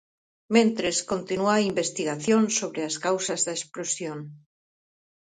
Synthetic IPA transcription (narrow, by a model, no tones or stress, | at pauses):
mẽnt̪ɾeskont̪inuaimbest̪iɣaθjõnsoβɾeaskawsɐzðɐesplosjoŋ